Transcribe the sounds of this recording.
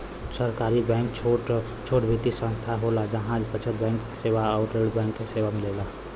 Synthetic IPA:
səɾkaːɾibɛ̃ːŋkt͡ʃʰo | t͡ʃʰoːʈbʱit̪isə̃nst̪ʰaɦolad͡ʒɐɦãd͡ʒpət͡ʃʰət̪bɛ̃ːŋkːeseːʋaɔːʊʈɾeːɖbɛ̃ːŋkːeseːʋamɪleːla

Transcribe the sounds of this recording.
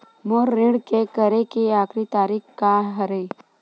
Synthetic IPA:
moɾːɪ̃ɽkekəɾekiaːkɾit̪aːɾikkaɦɐɾe

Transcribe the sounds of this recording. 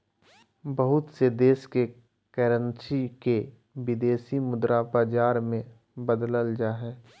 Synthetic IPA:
bəɦʊt̪sed̪eːske | kɛːɾənsike | ʋɪd̪eːsimʊd̪ɾabaːd͡ʒaːɾmẽ | bəd̪ləld͡ʒaːɦɛː

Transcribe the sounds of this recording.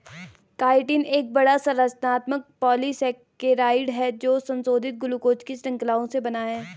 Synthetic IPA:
kaːɪʈɪneːk̚bɐɽasɐɾəsnaːt̪mək̚pɔːlisɛːkkeɾaːɪɖɦɛd͡ʒoːsɐ̃nsoːd̪ʱɪt̪̚ɡʊlukoːt͡ʃkisɾɐ̃ŋklaːõsebɐnaːɦɛː

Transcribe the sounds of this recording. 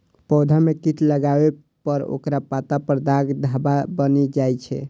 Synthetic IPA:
pɔd̪ʱamekit̪ləɡabe | pəɾo̰kɾapat̪apəɾd̪aɡd̪ʱababənid͡ʒajt͡ʃʰɛ̰

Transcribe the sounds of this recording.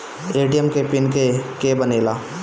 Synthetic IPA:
eːʈijəmkepɪnkekebəneːlaː

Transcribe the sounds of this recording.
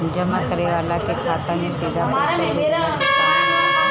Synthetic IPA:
d͡ʒəmakəɾeʋaːlakekʰaːt̪amẽsid̪ʱam

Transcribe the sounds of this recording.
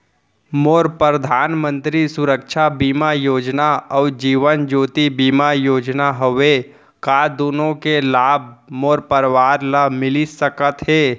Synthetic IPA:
moːɾpɾəd̪ʱaːnmə̃nt̪ɾisʊɾəkʃʰabiːmajoːd͡ʒnaɔːd͡ʒiːʋənd͡ʒoːt̪ibiːmajoːd͡ʒnaɦoʋe | kaːd̪oːnõkelaːb̚ʱmoːɾpəɾʋaːɾlamɪlisəkət̪ɦɛː

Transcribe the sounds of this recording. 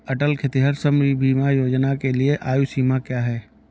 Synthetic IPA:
ɐʈəlkʰɪt̪iɦəɾsəmɾibʱiːmajoːd͡ʒnakelieʔaːjusiːmakjaːɦɛː

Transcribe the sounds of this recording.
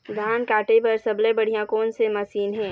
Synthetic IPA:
d̪ʱaːnkaːʈepɐɾsɐblẽbɐɽ̤ijãkoːnsemɐsiːnɦɛ̃ː

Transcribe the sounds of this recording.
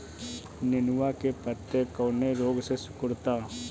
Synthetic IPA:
nɪnʋakepət̪ːekɔːneɾoːɡsesʊ̥kʊɽt̪aː

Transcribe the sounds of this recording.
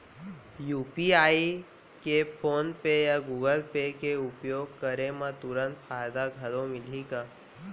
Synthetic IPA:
jupiai | kefonpejaɡuɡəlpekeupjoɡ̚kəɾemãt̪uɾənt̪fʰajd̪aɡʱəlomilika

